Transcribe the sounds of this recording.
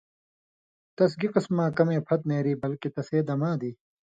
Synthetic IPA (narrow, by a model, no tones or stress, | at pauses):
t̪ɐs̬ɡiqismãːkɐmẽːpʰɐt̪̚neːɾiːbɐlkit̪ɐseːd̪ɐmãːd̪iː